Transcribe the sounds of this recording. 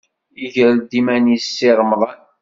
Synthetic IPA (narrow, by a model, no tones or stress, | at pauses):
iʝɾld̪imænjisːiɾˤmðˤɑn